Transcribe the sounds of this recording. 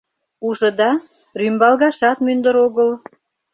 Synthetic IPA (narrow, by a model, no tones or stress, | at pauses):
uʒɤ̆d̪ɑ | rymbɑlɣɑʃɑt̪mynd̪əɾoɣəl